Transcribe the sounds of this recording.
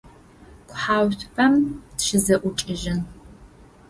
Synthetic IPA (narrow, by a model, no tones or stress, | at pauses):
kʷʰʼħaːwtʷpʰɐmtʃɪzɐʔʷʊt͡ʃʼɪʒɪn